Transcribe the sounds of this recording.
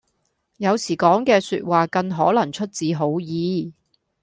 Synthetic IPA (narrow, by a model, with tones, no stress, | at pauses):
jɐ˨˧wsiː˨˩kɔː˨˥ŋkɛː˧sy̰ː˧t̚waː˨kɐ˧nɦɔː˨˥lɐ˨˩ŋt͡ʃʰɵ˥t̚t͡siː˨˧ɦo˨˥wjiː˨˧